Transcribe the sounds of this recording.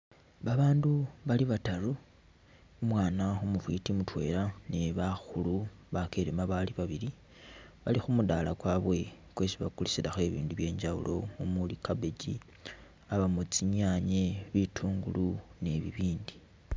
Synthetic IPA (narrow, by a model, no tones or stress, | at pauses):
βaβaːnduβaliβataɾu | umwaːnaumufwitimutwe̞̰ːɾaneβaxuluβakeɾemaβaliβaβiɾi | βalixumudalakwaβwe̞ | kwe̞ːsiβakulisilaxe̞βḭːnduβje̞ːɲd͡ʒaṵlʔo̞̰umulikabe̞ɟḭ | aβamut͡siɲaɲeβitʰuːŋɡulune̞βiβiːndi